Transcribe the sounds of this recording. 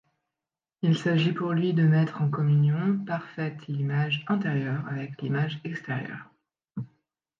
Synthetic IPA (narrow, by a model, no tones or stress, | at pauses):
ilsaʒipuʁlɥid̪əmɛt̪χɑ̃kɔmynjɔ̃paʁfɛt̪limaʒɛ̃t̪eʁjœʁavɛklimaʒɛkst̪ɛʁjœ̰ːʁ